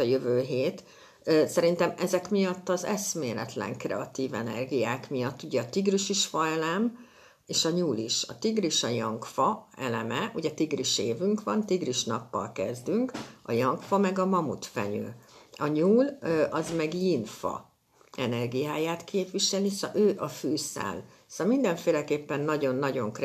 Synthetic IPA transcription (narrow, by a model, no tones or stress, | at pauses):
ɒjøvøːɦeːt̪ː | sɛɾin̪t̪ɛmɛzɛkmijɒt̪ːɒzɛsmeːlɛ̰t̪lɛ̰ŋkrɛ̰ɒt̪iːvɛ̰nɛ̰rɡijaːkmijɒt̪ːuɟɛɒt̪iɡriʃiʃfɒɛlɛm | eːʃɒɲuːliʃɒt̪iɡriʃɒjɒŋkfɒɛ̰lɛmɛuɟɛt̪iɡriʃeːvyŋkʋɒnt̪iɡriʃnɒpːɒ̰lkɛzd̪yŋkɒjɒŋkfɒmɛɡɒmɒmut̪fɛ̰ɲø̰ːɒɲuːlɒzmɛɡjinfɒ̰ | ɛnɛrɡijaːjaːt̪kʰeːpʋiʃɛlisøːʔɒføːsa̰ːl | solmind̪ɛɱfeːlɛkeːpːɛnːɒɟo̞nːɒɟo̞ŋkɛ